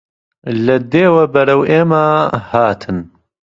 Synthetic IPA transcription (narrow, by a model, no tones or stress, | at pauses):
lɐd̪eːwɐbɐɾɐweːmaːhaːt̪ʰɨn